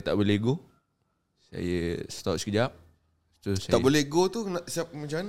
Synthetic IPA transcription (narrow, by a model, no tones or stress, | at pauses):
t̪aʔboleɡo | sa̰jəst̪ɔʔsəkəd͡ʒap̚ | t̪usaaʔbolehɡot̪unaʔsiap̚mat͡ʃaman